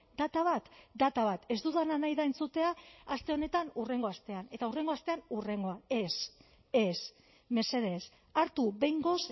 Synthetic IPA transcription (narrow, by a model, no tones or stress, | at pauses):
d̪̥at̪aβ̞at̪d̪at̪aβ̞at̪e̞zd̪uðananajðaent͡sut̪e̞aːst̪e̞o̞ne̞t̪anure̞ŋɡo̞ast̪e̞ane̞t̪aure̞ŋɡoast̪e̞anure̞ŋɡo̞ae̞s | es | me̞se̞ðe̞s | aɾt̪uβe̞jŋɡo̞s